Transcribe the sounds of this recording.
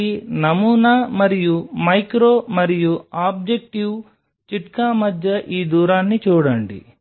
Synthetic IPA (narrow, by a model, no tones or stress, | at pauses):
inɐmuːnaːmɐɾijumɐjkɾoːmɐɾijuaːb̚d͡ʒek̚ʈiw | t͡ʃiʈkaːmɐd̪ʱjɐʔiːd̪uːɾaːnːit͡ʃɔːɽɐɳɖḭ